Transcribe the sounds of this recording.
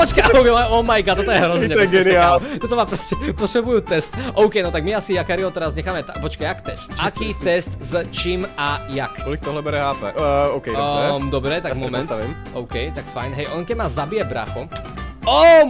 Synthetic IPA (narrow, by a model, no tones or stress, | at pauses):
pɔt͡ʃkaɔkɛaɔmajkat̪ɔt̪ɔjɛɦɾɔzɲɛɛɡɛniaːlt̪ɔt̪ɔmaːpɾɔscɛpɔt̪ɾɛbujuːt̪ɛst̪ʔɔʊkɛjnɔt̪aɡmiasijakaɾiɦɔt̪ɛɾazɲɛxaːmɛt̪apɔt͡ʃkajakt̪ɛst̪ʔakiːt̪ɛst̪zt͡ʃimajakɔlik̚t̪ɔɦlɛbɛɾɛɦaːpɛ̰ɔʊkɛjd̪ɔbɾɛt̪aɡmɔmɛ̃nt̪ɛm | ɔʊkɛjt̪akfajnɦɛjʔɔnkɛmaːzabijɛbɾa̰xɔɔ